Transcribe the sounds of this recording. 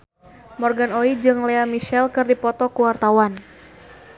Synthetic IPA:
mɔrɡanoid͡ʒɨŋlɛamiʃɛlkɨrdipɔt̪ɔkuwart̪awan

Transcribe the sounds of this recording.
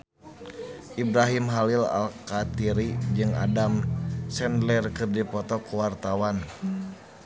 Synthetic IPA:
ʔibɾaɦimɦalila̰lkat̪iɾid͡ʒɨŋa̰damsɛnlɛrkɨrdipɔt̪ɔkuwart̪awan

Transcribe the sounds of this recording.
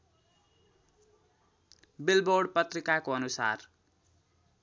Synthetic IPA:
bilborɖpʌt̪rikakoʌnusa̰r

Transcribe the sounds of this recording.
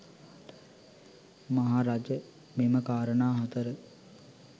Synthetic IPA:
maɦaːɾaːd͡ʒə | meməkaːɾənaːɦat̪əɾə

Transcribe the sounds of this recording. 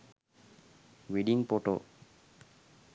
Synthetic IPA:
wiɖiŋpoʈo

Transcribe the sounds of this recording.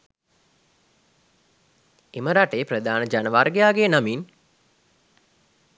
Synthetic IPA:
eməɾaʈeːprəd̪aːnəd͡ʒanəʋarɡejaːɡeːnamin

